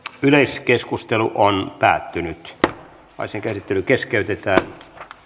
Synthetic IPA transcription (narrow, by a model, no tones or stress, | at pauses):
yleiskeskust̪eluʔonpæ̰ːt̪ːynyt̪ | ʋɑ̰iseŋkæsit̪ːelykeskeyt̪et̪æːn